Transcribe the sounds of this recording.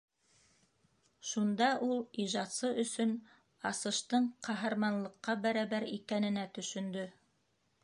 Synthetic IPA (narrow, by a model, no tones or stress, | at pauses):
ʃund̪ɑʔulˠiʒɑt̪sɤʔɵ̆sɵn | ɑsɤ̆ʃt̪ɤɴqɑɦɑɾmɑnlˠɤ̆qːɑbæɾæbæɾḭkænɘ̆næt̪ɵ̆ʃɵ̆nd̪ɵ